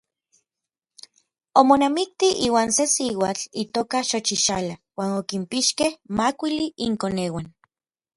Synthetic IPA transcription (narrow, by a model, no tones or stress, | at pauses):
omonamik̚t̪iiːwaːnsesiwat͡ɬit̪oːkaʃot͡ʃiʃalawaːnokimpiʃkehmakʷiliʔiŋkoneːwan